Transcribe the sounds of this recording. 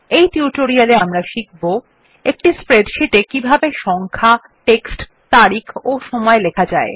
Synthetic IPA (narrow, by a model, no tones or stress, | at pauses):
ejtiuʈoɾialeamɾaʃik̚ʰbo | ek̚ʈispɾeɖʃiʈekibʱabeʃɔŋkʰa | ʈeksʈ | t̪aɾikʰoʃɔmɔelekʰad͡ʑae